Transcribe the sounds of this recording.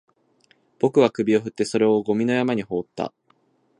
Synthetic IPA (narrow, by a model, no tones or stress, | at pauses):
b̥o̞kɯ̟β̞akɯ̟bʲio̞ɸɯ̟t̪ːe̞so̞ɾe̞o̞ɡo̞mʲino̞jamaɲ̟iho̞ːt̪ːa̰